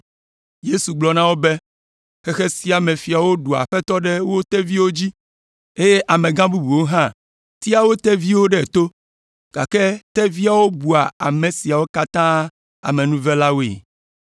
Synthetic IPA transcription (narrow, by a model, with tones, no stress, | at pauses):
je˦su˨ɡ͡blɔ˨nã˦wo˦be˦ | xɛ˦xe˦si˦a˨mẽ˨fi˨a˨wo˦ɖu˨a̰˨ɸɛ˦t̪ɔ˦ɖɛ˦wo˦t̪ɛ˦vi˦wo˦d͡ʑi˦ | e˦je˦ʔa˨mẽ˨ɡã˦bu˦bu˨wo˦ɦã˦ | t̪i˦a˨wo˦t̪ɛ˦vi˦wo˦ɖɛ˦˨t̪o˦ | ɡ̥a̰˨kɛ˦t̪ɛ˦vi˦a˨wo˦bu˨a˨a˨mẽ˨si˨a˨wo˦ka˦t̪ã˦ | a̰˨mẽ˨nũ˦vɛ˦la˦wḛ˨